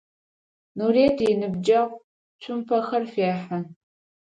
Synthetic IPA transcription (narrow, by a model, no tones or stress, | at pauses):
nureːdinɨbd͡ʒɐʁ | t͡ʃʷʰʊmpʰɐxɐrfeːħa